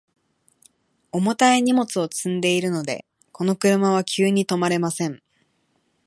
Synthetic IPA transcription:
o̞mot̪aeɲ̟imo̞t͡sɨo̞t͡sɨ̃nd̪e̞iɾɯ̟no̞d̪e̞̰ | ko̞no̞kɯ̟ɾɯ̟maβ̞akʲʰɨːɲ̟it̪o̞maɾe̞masẽ̞ŋ

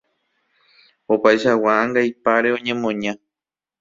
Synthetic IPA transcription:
opajʃawaãŋɡajpaɾe̞õɲẽmõɲã

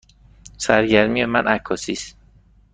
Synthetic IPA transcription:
sæɾɟæɾmijemænʔækʰːɒːsiːst̪

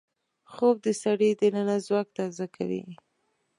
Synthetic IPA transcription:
xob̚d̪əsaɽid̪ənanazwɑk̚t̪azaka̰wḭ

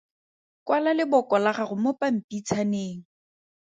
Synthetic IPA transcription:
kwalalɪbʊkɔlaχaχʊmʊpam̩pʼit͡sʰaneːŋ̩

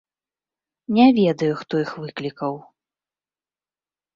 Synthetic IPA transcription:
nʲɛvʲɛd̪ɐjuxt̪ɔjixvɨklʲikɐw

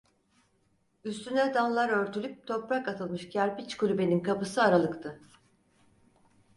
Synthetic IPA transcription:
yst̪ʰynɛd̪anlˠaɾø̞ɾt̪ʰylʲyp̚t̪ʰo̞pɾakat̪ʰɯlˠmɯʃcʰæɾbit͡ʃkʰulʲybe̞ninkʰapɯsɯaɾalˠɯkt̪ʰɯ

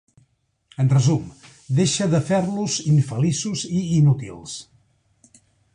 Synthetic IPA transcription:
ənrəzum | d̪eʃəðəfeɾluziɱfəlisuziːnut̪ḭlˠs

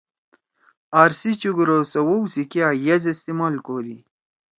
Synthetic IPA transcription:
aːɾsit͡ɕuɡɾosɐwowsikjajɐzist̪imalkoːd̪i

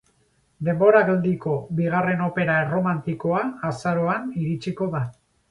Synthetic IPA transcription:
d̪e̞mbo̞ɾaɣeld̪iko̞βiɣ̞are̞no̞pe̞ɾaero̞mant̪iko̞aːsaɾo̞aniɾit͡ʃiko̞ða

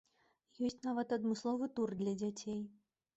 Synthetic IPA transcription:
jɔsʲt͡sʲnavɐt̪ɐd̪mɨslˠɔvɨt̪urd̪lʲɐd͡zʲat͡sʲej

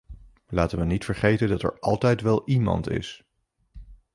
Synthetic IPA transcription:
laːtənʋənitfəɹχejtəndɑtɛ̰ɹɑlˠtɛjtʋɛlˠimɑ̰ntɪ̰s

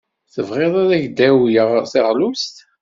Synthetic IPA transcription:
θəvʁeðˤæðæʝd̪æwjəʁθɪʁlust̪

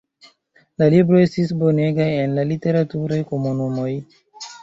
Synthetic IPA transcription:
lalibɾoe̞stisbo̞ne̞ɡaje̞nlalite̞ɾatuɾajko̞munumo̞j

